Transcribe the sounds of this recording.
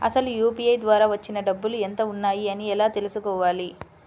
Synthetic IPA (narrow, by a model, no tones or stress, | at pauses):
ɐ̰sɐlujuːpiɐjd̪ʋaːɾaːʋɐt͡ʃːinɐɖɐbːuluent̪ɐunːaːjiɐniɛlaːt̪e̞lusukɔːʋaːli